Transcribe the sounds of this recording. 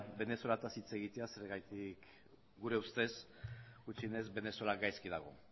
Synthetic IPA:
be̞ne̞so̞lat̪asit͡se̞ɣit̪e̞ase̞ɾeɣajt̪ik | ɡuɾe̞ust̪e̞s | ɡut͡ʃine̞zbe̞ne̞solaɡajskiðaɣ̞o̞̰

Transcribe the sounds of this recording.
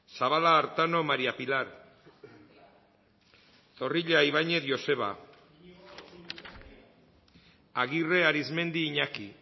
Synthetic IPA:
saβalaːɾt̪ano̞maɾiapilaɾ | t̪o̞riʎeajβ̞aɲe̞ðʝo̞se̞βa̰ | aɣire̞aɾizme̞nd̪iːɲaki

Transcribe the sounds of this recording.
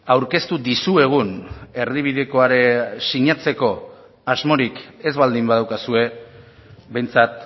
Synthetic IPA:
awɾke̞st̪ud̪isue̞ɣ̞une̞ɾðiβ̞iðeko̞aɾe̞siɲat͡se̞ko̞ | azmo̞ɾike̞zβald̪imbaðawkasue̞ | be̞jnt͡sat̪

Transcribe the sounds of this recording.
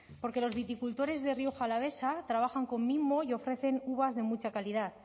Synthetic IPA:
po̞ɾke̞lo̞zβit̪ikult̪o̞ɾe̞zðe̞rio̞xaːlaβ̞e̞sat̪ɾaβaxaŋko̞mːimo̞jo̞fɾe̞θe̞nuβazðe̞mut͡ʃakaliðaθ

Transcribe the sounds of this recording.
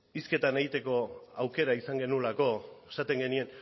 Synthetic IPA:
iske̞t̪ane̞ɣit̪e̞ko̞awke̞ɾaisaŋɡe̞nulako̞esat̪e̞ŋɡe̞nie̞n

